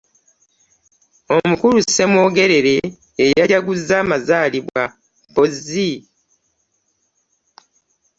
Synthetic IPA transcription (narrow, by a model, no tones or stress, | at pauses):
o̞mukuɾusːe̞mwo̞ːɡe̞ɾe̞ɾe̞ː | jaɟaɡuzaːmazaːliβwa | pozi